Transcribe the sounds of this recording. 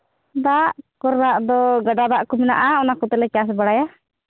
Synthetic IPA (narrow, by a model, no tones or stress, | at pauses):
d̪aʔkɔɾnaʔd̪ɔɡaɖad̪aʔkumina̰ʔaɔnakut̪ɛlɛt͡ʃas̬baɽaja